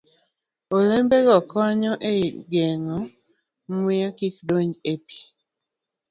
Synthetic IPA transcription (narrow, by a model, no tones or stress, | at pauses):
olembeɡɔkɔɲɔʔeɡeŋɔ | mwɪakikdoɲd͡ʒepi̥